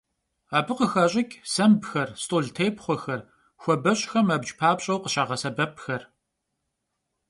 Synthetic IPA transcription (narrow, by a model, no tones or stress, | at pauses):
aːbɨqəxɐɕʼɪkʲʼsɐmbxɐrstʼoːɮtʰejpχʷɔxɐr | xʷɔbɐɕʼxɐmɐbd͡ʒʼpʰaːpɕʼɐwqəɕaːʁɐsɐbɐpʰxɐr